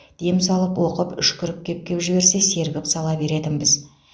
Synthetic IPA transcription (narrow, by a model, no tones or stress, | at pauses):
d̪̥e̞msɑlˠəpwo̞qəpʏʃkʰʲʏɾɪp̚kʲʰe̞p̚kʲe̞pʒɪβe̞ɾse̞se̞ɾbɪksɑlˠɑbe̞ɾe̞t̪ɪnbɪz